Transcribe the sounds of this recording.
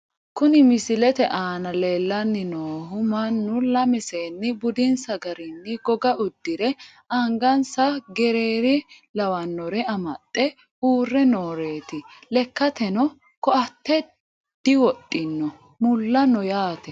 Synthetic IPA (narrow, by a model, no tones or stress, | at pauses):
kʊnɪmɪsɪlɛt̪ɛʔaːnɐleːlːɐnːɪnoːɦʊmɐnːʊlɐmɪseːnːɪbʊd̪ɪnsɐɡɐɾɪnːɪɡɔɡɐʔʊd̪ːɪɾɛ | ɐŋɡɐnsɐɡɛɾeːɾɪ | lɐwɐnːɔɾɛɐmɐtʼːɛ | uːrːɛnoːɾe̞ːt̪ɪlɛkːɐt̪ɛnɔ | kɔʔɐt̪ːɛ | d̪̥ɪwɔtʼːɪnːɔ | mʊlːɐnɔjaːt̪ɛ